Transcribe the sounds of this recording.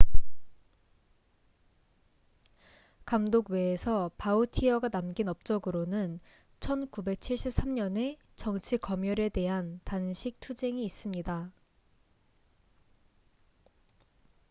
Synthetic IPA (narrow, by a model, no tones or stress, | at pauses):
kamdoɡwe̞ːsʰʌpautʰiʌɡanamɡinʌp̚t͡ɕ͈ʌɡɯɾonɯn | t͡ɕʰʌnkube̞k̚t͡ɕʰiɭɕ͈ʰip̚s͈amɲʌne̞ | t͡ɕʌŋt͡ɕʰikʌmjʌɾe̞te̞ɦantanɕʰik̚tʰud͡ʑe̞ŋiːs͈ɯmɲida